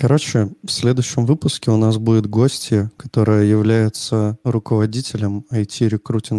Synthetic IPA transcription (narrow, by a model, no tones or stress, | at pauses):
kɐɾo̞t͡ɕɪfsʲlʲe̞d̪ʊjɕːɪmvɨpʊskʲɪʊnas̬budʲɪt̪ɡo̞sʲtʲjɪkɐ̥t̪o̞ɾɨjəjɪvlʲæjɪt̪səɾʊkəvɐdʲitʲɪlʲəmɐjtʲiɾʲɪkɾutʲɪn